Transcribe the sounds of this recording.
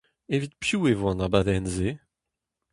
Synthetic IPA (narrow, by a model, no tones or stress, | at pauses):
evit̪̚pjuːevoɑ̃nabad̪ɛnze